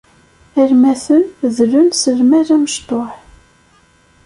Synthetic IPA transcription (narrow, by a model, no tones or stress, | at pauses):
æɾmæθənðlʊnsəlmæɾæməʃt̪ˤoħ